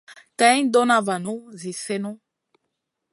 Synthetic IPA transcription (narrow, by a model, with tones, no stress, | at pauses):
ka˦ĩ˦n˦dɔ˦na˦va˨no˦zi˨sɛ˦no˦